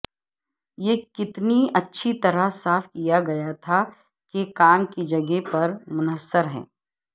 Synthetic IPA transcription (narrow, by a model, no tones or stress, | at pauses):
jeːkɪt̪niɐtːʃʰit̪ɐɾəsaːfkijaɡɐjat̪ʰa | kekaːmkid͡ʒɐɡepɐɾmʊnəsːəɾɦɛ̰̃ː